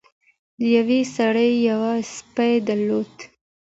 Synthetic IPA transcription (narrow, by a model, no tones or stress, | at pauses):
d̪əjawesaɽəjjawaspajd̪aɾlod̪